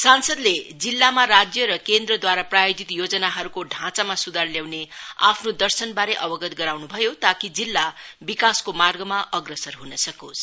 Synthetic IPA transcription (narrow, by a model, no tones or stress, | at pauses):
sansʌd̪led͡zilːamaɾad͡zjʌɾʌkend̪rʌd̪waɾaprajod͡zit̪jod͡zʌnaɦʌɾukoɖʱãt͡samasud̪ʱarljawnea̰pʰnod̪ʌrsʌnbaɾeʔʌbʌɡʌt̪ɡʌɾawnubʱʌjot̪akid͡zilːabikaskomarɡʌmaʔʌɡrʌsʌrɦunʌsʌkos